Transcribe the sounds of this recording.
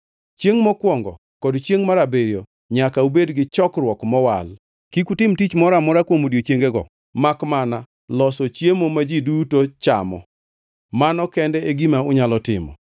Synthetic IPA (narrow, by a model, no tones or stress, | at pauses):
t͡ʃjeŋmɔkwɔŋɡɔ̰ | kɔdt͡ʃjeŋmaɾabeɾjo | ɲakaubedɡɪt͡ʃɔkrwɔkmɔwa̰l | kikutɪmtit͡ʃmɔɾamʊɾakwomodiot͡ʃjeŋɡeɡɔ̰ | makmana | lɔsɔt͡ʃjemomad͡ʒidutot͡ʃa̰mɔ̰ | manɔkɛndɛeɡimaʊɲalɔtɪ̰mɔ̰